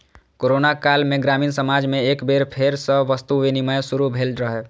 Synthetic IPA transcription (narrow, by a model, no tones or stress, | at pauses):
koːɾonakaːlmẽɡɾaːmiːnsəmad͡ʒmẽekbeɾpʰeɾsəʋəst̪uʋeniməjsuɾubʱeːlɾəɦe